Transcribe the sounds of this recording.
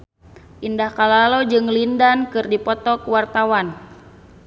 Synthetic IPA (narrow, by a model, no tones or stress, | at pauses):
ʔindahkalalod͡ʒɨŋlindankɨrdipɔt̪ɔkwart̪awan